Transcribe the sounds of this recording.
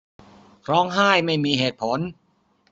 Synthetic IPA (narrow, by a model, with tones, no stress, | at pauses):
ɾɔː˦˥ŋɦaː˥˩jma˥˩jmiː˧ɦeː˨˩t̪̚pʰo˩˦n